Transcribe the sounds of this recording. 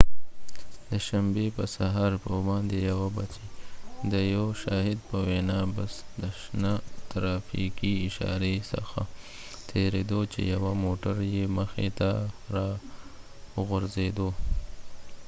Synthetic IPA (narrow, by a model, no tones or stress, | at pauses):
d̪əʃambepəsaɦɑɾpəbɑnd̪ejawabat͡ʃed̪əjowʃɑːɦɪd̪pəwenɑbasd̪əʃnat̪ɾɑfikiɪʃɑ̰ɾesə̰xa | t̪ʰeɾed̪ot͡ʃḛjawamoʈaɾjeməxet̪aɾɑ | ɣʊɾzed̪o